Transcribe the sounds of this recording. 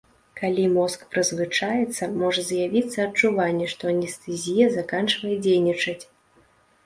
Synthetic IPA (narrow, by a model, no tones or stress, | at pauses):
kalʲimɔskpɾɨzvɨt͡ʂajɛt̪sːɐmɔʐɐzjavʲit̪sːɐːt͡ʂuvanʲːɛʂt̪ɔɐnʲɛst̪ɛzʲijɐzakant͡ʂvɐjɛd͡zʲejnʲit͡ʂɐt͡sʲ